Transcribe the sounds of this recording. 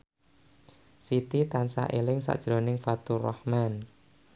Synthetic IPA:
sit̪it̪ansa̰ʔelɪŋsa̰ʔd̥ʒ̥ɾo̤nɪŋfat̪urɔhman

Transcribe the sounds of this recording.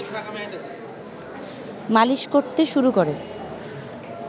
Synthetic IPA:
maliʃkoɾt̪eʃuɾukoɾe

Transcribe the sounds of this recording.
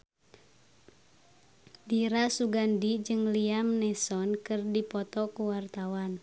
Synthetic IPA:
diɾasuɡandid͡ʒɨŋliamnɛsɔnkɨrdipɔt̪ɔkuwart̪awan

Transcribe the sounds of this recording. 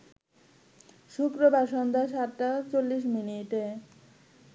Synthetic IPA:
ʃukɾobʱaɾʃɔnd̪ʱaʃatʈat͡ɕolːiʃ̬miniʈe

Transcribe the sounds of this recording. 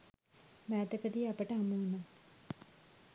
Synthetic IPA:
mæːt̪əkəd̪iːapəʈəɦamuuno

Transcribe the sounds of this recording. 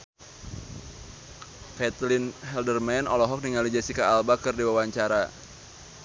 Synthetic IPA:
fɛt̪linɦɛldərmɛnɔlɔɦɔk̚niŋalid͡ʒasikaːlbakɨrdiwawaɲt͡ʃaɾa

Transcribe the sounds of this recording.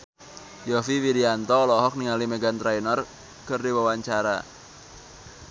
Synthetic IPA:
jɔfiwiɾiant̪ɔːlɔɦɔk̚niŋalimeɡant̪ɾainɔr | kərdiwawaɲt͡ʃaɾa̰

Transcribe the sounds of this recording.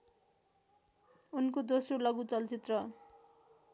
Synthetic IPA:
unkod̪osrolʌɡut͡sʌlt͡sit̪rʌ

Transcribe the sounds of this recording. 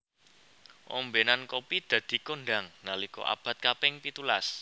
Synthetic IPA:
ʔɔmbenankɔpid̪̥ä̤d̪̥i̤konɖa̤ŋnalikɔ̰ʔa̰b̥a̤t̪̚kapɪŋpit̪ulas

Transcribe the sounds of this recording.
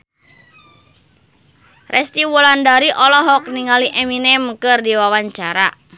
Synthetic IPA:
rʔɛst̪iwulandaɾiʔɔlɔɦɔk̚niŋaliʔɛminɛmkɨrdiwawaɲt͡ʃaɾa̰

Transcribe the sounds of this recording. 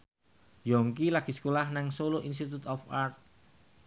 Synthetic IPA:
jɔŋkilaɡ̥isə̥kolahnaŋsoloʔins̬t̪it̪ut̪ɔfart̪̚

